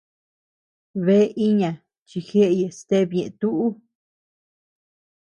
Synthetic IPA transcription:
βe˦ʔi˦ɲã˨ | t͡ʃi˧xe˦ʔe˧je˨st̪e˦˧βɲẽ˨ʔt̪u˦ʔu˦

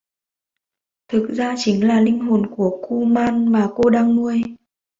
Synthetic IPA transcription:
t̪ʰɨ˨˩k̚zaː˧t͡ɕï˨˦ŋ̟laː˨˩lï˧ŋ̟ɦo˨˩nku˧˩əku˧maː˧nvaː˨˩ko˧ɗaː˧ŋmu˧əj

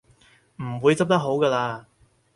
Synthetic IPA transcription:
m̩˨˩wuː˨˧jt͡sɐ˥p̚t̪ɐ˥k̚ɦo˨˥wkɐː˧laː˧

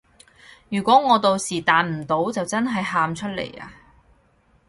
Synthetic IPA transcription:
jyː˨˩kʷɔː˨˥ŋɔː˨˧t̪o˧wsiː˨˩t̪aː˨˧nm̩˨˩t̪o˨˥wt͡sɐ˨wt͡sɐ˥nɦɐ˨jɦaː˧mt͡ʃʰɵ˥t̚lḛ˨˩ja̰ː˧

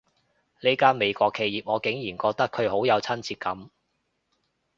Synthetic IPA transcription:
le˨˧jkaː˥nme˨˧jkʷɔː˧kʰːe˧jiː˨p̚ŋɔː˨˧kɪ˨˥ŋjiː˨˩nkɔː˧k̚t̪ɐ˥kʰɵ˨˧ɥho˨˥wjɐ˨˧wt͡sʰɐ˥nt͡siː˧t̚kːɐ˨˥m

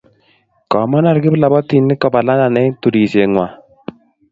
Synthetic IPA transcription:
kɔ˨ma˦na˦ɾkɪ˦bla˨bɔ˦t̪i˨nːɪ˦kɔ˨ba˨la˦na˨nɛ˦tu˨ɾi˨se˨ŋwa˨

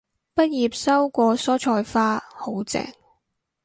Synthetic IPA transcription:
pɐ˥t̚jiː˨p̚sɐ˥wkʷɔː˧sɔː˥t͡ʃʰɔː˧jfaː˥ho˨˥wt͡sɛ̰ː˨˩ŋ

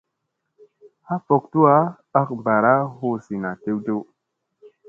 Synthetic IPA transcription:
ha˦fo˨k̚tu˦a˦ | a˦k̚mba˨ɾa˦ho˦si˨na˨te˦wdo˦

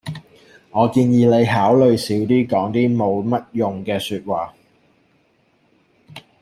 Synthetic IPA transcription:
ŋɔː˨˧kiː˧njiː˨˧ne˨˧jɦaː˨˥wlɵ˨ɥsiː˨˥wt̪iː˥kɔː˨˥ŋt̪iː˥mo˨˧wmɐ˥t̚jʊ˨ŋkɛː˧syː˧t̚waː˨˩

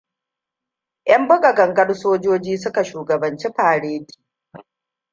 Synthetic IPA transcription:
ʔjɐ˦mbʊ˦ɡɐ˨ɡɐ˨ŋɡɐ˦rsoː˦d͡ʒoː˦d͡ʒiː˦sʊ˦ka˨ʃuː˨ɡɐ˨bɐ˨nt͡ʃi˦ɸaː˨ɽeː˦di̥ː˨

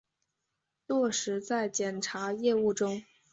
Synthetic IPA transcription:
t̪wɔ˥˩ʂɻ̩˧˥t͡sa˥˩ɪt͡ɕjɛ˨˩nʈ͡ʂʰa˧˥jɛ˥˧u˥˩ʈ͡ʂʊ˥ŋ

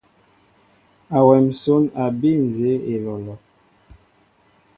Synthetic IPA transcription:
a˨wɛ˨m̩˨so˦na˨bi˦˨n˨ze˨˦e˨lɔ˨lɔ˨

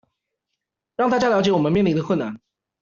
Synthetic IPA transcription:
ɻɑ˥˩ŋt̪ʰa˥t͡ɕja˥˩ljɑ˧˥ʊt͡ɕjɛ˧˥wɔ˨˩mə˦nmjɛ˥˩nli˥˧˥ɡə˧kʰwna̰˧˥˦n

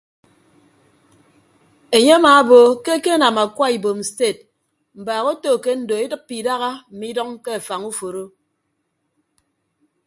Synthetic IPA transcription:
e˨ɲe˦a˦ma˨˦bo˨ke˦ke˦a˦na˨ma˨kwa˦i˨bo˨m̩˨ste˦˨t̚ | m̩˨baː˨ɣo˦to˦˨ke˦n̩˨do˨e˦dɨ˦pːi˨da˦ɣa˦m̩˨mi˦dɔ˦ŋke˦a˨fa˨ŋu˦fo˨ɾo˦

